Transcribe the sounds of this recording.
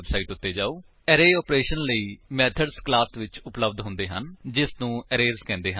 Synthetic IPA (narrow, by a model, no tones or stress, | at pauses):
bsaːiːʈʊt̪ːeːd͡ʒaːoː | ɛːɾeːɔːpɾeːʃənləiːmɛːt̪ʰəɖsklaːsʋɪt͡ʃʊpləbd̪ɦʊ̃nd̪eːɦənd͡ʒɪsnũːɛːɾeːɾzkɛ̃ːnd̪eːɦən